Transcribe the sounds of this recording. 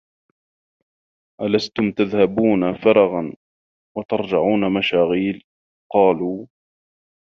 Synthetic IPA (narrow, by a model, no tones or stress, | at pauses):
ʔalast̪ʊmt̪aðhabuːnafɑɾˤɑɣɑn | wat̪ɑɾˤd͡ʒɪʕuːnamaʃaːɣiːl | qɑːluː